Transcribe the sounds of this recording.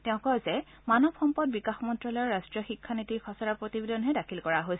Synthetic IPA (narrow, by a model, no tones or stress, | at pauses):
tɛʊ̃kɔjzɛ | manɔbxɔmpɔd̚bikaxmɔntɹɔlɔjɔɹɹastɹijɔxikʰːanitixʰɔsaɹapɹotibedɔnɦɛdakʰilkɔɹaɦojs